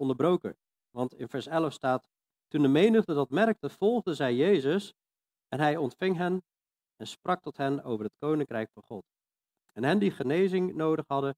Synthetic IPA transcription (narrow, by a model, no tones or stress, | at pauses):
ɔndəɹbrowkə̰ | ʋɑntɪ̰nvɛɹsɛləfstaːt | tundəmejnəχdədɑtmɛrk̚təv̥ɔlˠχdəzɛjjejzəs | ɛnɦɛjɔntfɪŋɦɛn | ɛnsprʔɑk̚tɔtɦɛnowvəɹɦətkownɪŋkrɛjkfɑnχɔt | ɛnɦɛndiχənejzɪŋnowdəχɦɑdə